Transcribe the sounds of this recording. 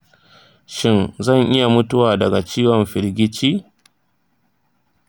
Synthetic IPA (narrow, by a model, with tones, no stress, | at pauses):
ʃɪ˦nzɐ˦˨ŋʔɪ˦ja˨mʊ˦tʊ˦waː˨dɐ˨ɡa˨t͡ʃiː˦wɔ˨mɸɪ˨ɾɡʲɪ˦t͡ʃiː˦